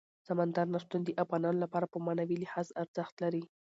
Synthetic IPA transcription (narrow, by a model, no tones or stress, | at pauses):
samand̪aɾnaʃt̪und̪eʔafɣɑnɑnolapɑɾapəmɑnawilɪhɑzaɾz̥əxt̪laɾi